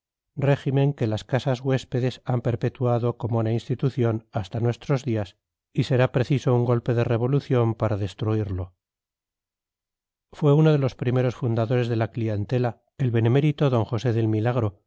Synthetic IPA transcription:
re̞ximẽ̞ŋke̞laskasazɣwe̞spe̞ðe̞sampe̞ɾpe̞t̪uaðo̞ko̞mounainst̪it̪uθjo̞nast̪anwe̞st̪ɾo̞zðias | ise̞ɾapɾe̞θiso̞uŋɡo̞lpe̞ð̞e̞re̞β̞o̞luθjo̞mpaɾaðe̞st̪ɾuiɾlo̞ | fwe̞uno̞ð̞e̞lo̞spɾime̞ɾo̞sfund̪aðo̞ɾe̞zðe̞laklient̪e̞la | e̞lβe̞ne̞me̞ɾit̪o̞ðo̞ŋxo̞se̞ðe̞lmilaɣ̞ɾo̞

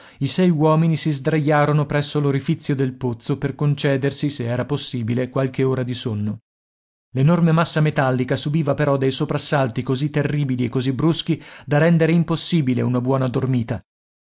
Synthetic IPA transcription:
isɛjwɔːminisizd̪ɾajːaːɾonopɾɛsːoloɾifit̪sːjod̪elpot̪soperkont͡ʃɛːd̪ersiseɛːɾaposːiːbilekwalk̟eoːɾad̪isonːo | lenormemasːamet̪alːikasubiːvapeɾɔd̪ejsopɾasːalt̪ikozit̪ːerːiːbiliekːozibɾusk̟id̪aɾɛnd̪eɾeimposːiːbilḛunabwɔːnad̪ormiːt̪a

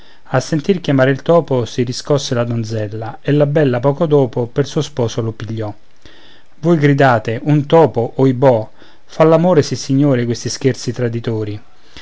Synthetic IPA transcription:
asːent̪irkjamaːɾeilt̪ɔːposiriskɔsːelad̪ond̪zɛlːaelːabɛlːapɔːkod̪ɔːpopersuospɔːsolopiʎːɔ | vojɡɾid̪aːt̪eʔunt̪ɔːpoʔːibɔ | falːamoːɾesisːiɲːoːɾekwest̪isk̟ert̪sit̪ɾad̪it̪oːɾi

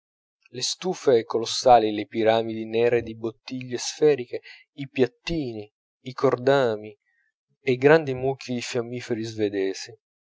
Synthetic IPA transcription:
lest̪uːfeɛkːolosːaːlilepiɾaːmid̪inɛːɾed̪ibot̪ːiʎːesfɛːɾike | ipjat̪ːiːniː | kord̪aːmi | eɡɾand̪imukʰːid̪ifjamːiːfeɾizved̪ɛːzi

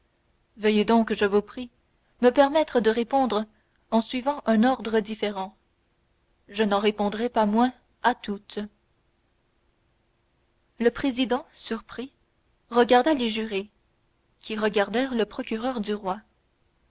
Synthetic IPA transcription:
vəjed̪ɔ̃kʒəvupχi | məpɛʁmɛt̪χəd̪əʁepɔ̃d̪ʁə | ɑ̃sɥivɑ̃ʔɛ̃nɔʁd̪ʁəd̪ifeʁɑ̃ | ʒənɑ̃ʁepɔ̃d̪ʁɛpamwɛ̃ | at̪ut̪ | ləpχezid̪ɑ̃syʁpχi | ʁəɡaʁd̪aleʒyʁe | kʲiʁəɡʲaʁd̪ɛʁləpχɔkʲyʁœʁd̪yʁwa

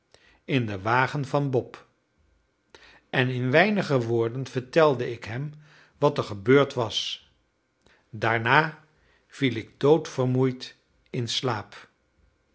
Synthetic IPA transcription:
ɪndəʋaːχənvɑnbɔp | ʔɛnɪnʋɛjnəχəʋoːɹdənv̥əɹtɛlˠdəɪkɦɛm | ʋɑtəɹχəbøːɹtʋɑs | daːɹnaː | v̥ilɪɡ̚dowtfərmujt | ɪnslaːp

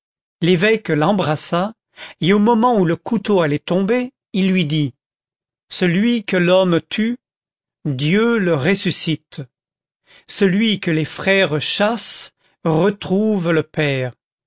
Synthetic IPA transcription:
levɛklɑ̃bʁasa | eomɔmɑ̃uləkut̪oalɛt̪ɔ̃be | ilːɥid̪i | səlɥikəlɔmt̪ʰy | d̪jøləʁesysit̪ | səlɥikəlefχɛʁʃas | ʁət̪χuvləpɛːʁ

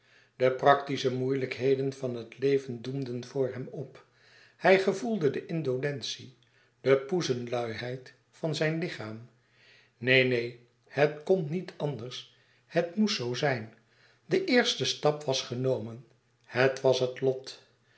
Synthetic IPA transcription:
dəprɑktisəmujləkɦejdənvɑnɦətlejvəndumdənvʊːɹɦɛmɔp | hɛjχəvulˠdədəʔɪndolɛnsi | d̥əpuzənlœɥɦɛjt | fɑnzɛjnlɪχaːm | nejnej | hətkɔnnitʰɑndəɹs | hətmutsowzɛjn | dəʔɪːɹstəstɑpʋɑsχənowmən | hətʋɑsɦətlɔt

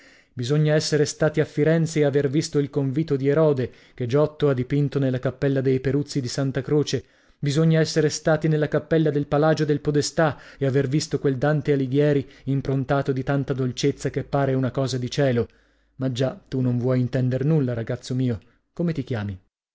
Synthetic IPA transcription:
bizoɲːaɛsːeɾest̪aːt̪iafːiɾɛnt̪seːavervist̪oilkoɱviːt̪od̪ieɾɔːd̪e | ked͡ʒɔt̪ːoad̪ːipint̪onelːakapːɛlːad̪ejpeɾut̪sːid̪isant̪akɾoːt͡ʃe | bizoɲːaɛsːeɾest̪aːt̪inelːakapːɛlːad̪elpalaːd͡ʒod̪elpod̪est̪aeavervist̪okweld̪ant̪ealiɡjɛːɾiimpɾont̪aːt̪od̪it̪ant̪ad̪olt͡ʃet̪sːakepːaːɾeunakɔːzad̪it͡ʃɛːlo | mad͡ʒat̪unoɱvwɔjint̪ɛnd̪ernulːaɾaɡat̪sːomiːo | komet̪ik̟jaːmi

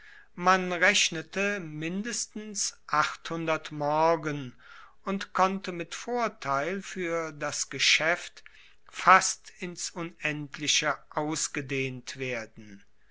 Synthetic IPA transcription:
manʁɛʃnətəmɪndəstn̩sʔaχthʊndɐtmɔɐɡən | ʔʊntkʰɔntəmɪtfoːɐtʰaɪlfyːɐdasɡ̥əʃɛft | fastɪnsʊnɛntʰlɪʃəʔaʊsɡ̥ədeːntv̥eːɐdn̩

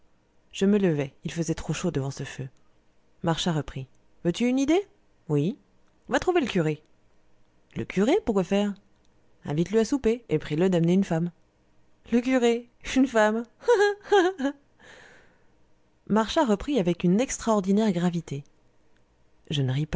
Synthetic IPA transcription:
ʒ̥əmələvɛilfəzɛt̪χoʃod̪əvɑ̃səfø | maʁʃãʁəpχi | vøt̪yːnid̪e | wĩ | vat̪χuveləkʲyʁe | ləkʰʲyʁepuʁkwafɛːʁ | ɛ̰̃vit̪ləasupeepχiləd̪amneynfam | lək̬ʲyʁeynfam | maʁʃãʁəpχiavɛkynɛkst̪χaɔʁd̪inɛʁɡʁavit̪e | ʒənəʁipa

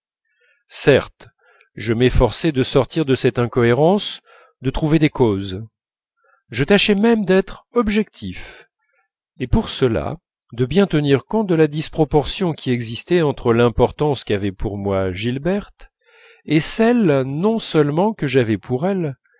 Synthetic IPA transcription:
sɛʁt̪ | ʒəmɛfɔʁsɛd̪əsɔʁt̪iʁd̪əsɛt̪ɛ̃kɔeʁɑ̃s | d̪ət̪χuved̪ekoz | ʒət̪aʃɛmɛmd̪ɛt̪χɔbʒɛk̚t̪ʰif | epuʁsəla̰ | d̪əbjɛ̃t̪əniʁkɔ̃t̪̚d̪əlad̪ispχɔpɔʁsjɔ̃kʲiɛɡzist̪ɛɑ̃t̪χəlɛ̃pɔʁt̪ɑ̃skavɛpʰuʁmwaʒilbɛʁt̪ | esɛlnɔ̃sœlmɑ̃kəʒavɛpʰuʁɛl

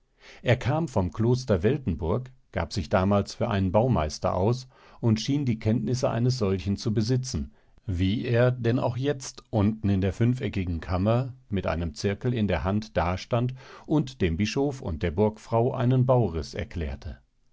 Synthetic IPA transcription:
ʔeːɐkʰaːmfɔmkl̥oːstɐvɛltn̩bʊɐk | ɡ̥a̰ːpz̥ɪçd̥aːmaːlsfyːɐʔaɪnənbaʊmaɪstɐ̰ʔa̰ʊs | ʔʊntʃiːndiːkʰɛntnɪsəʔa̰ɪnəs̬z̥ɔlçn̩t͡subəzɪt͡sn̩ | viːʔeːɐdɛna̰ʊxjɛt͡stʔʊntn̩ɪndeːɐfʏnfɛkɪɡŋ̩kʰamɐmɪtʔa̰ɪnəmt͡sɪɐkl̩ɪndeːɐɦantd̥aːʃtantʔʊntd̥eːmbɪʃofʊ̰nt̚d̥eːɐbʊɐkfʁ̥aʊʔa̰ɪnənbaʊʁɪsɛ̰ɐkʰl̥ɛ̰ːɐtʰə

